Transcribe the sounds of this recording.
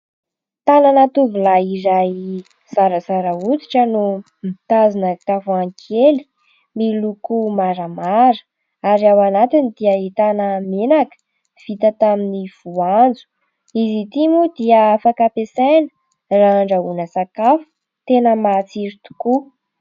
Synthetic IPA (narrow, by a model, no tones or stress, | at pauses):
t̪ananat̪uvulaiɾaj | z̥aɾəzaɾəut͡si̥ʈ͡ʂənu | mit̪azinət̪afuaŋkʰeli̥ | milukumaɾəmaɾə̥ | aɾiawanat̪inid̪iəɦit̪anəmenakə̥ | v̥it̪ət̪aminiv̥uand͡zu̥ | izit̪imud̪iəafakapesajnə̥ | raaɳɖ͡ʐaunəsakafu̥ | t̪enəmat͡siɾit̪u̥ku